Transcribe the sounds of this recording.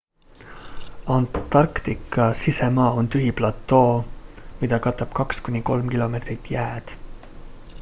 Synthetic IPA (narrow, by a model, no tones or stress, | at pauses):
ɑnt̪ɑrkt̪ikːˑɑsisemɑːo̞nt̪yɦiplɑt̪ːˑo̞ːmid̪̥ɑkɑt̪ːˑɑb̥kɑkskunʲiko̞lmkilo̞me̞t̪rit̪ˑːjæːd̪̥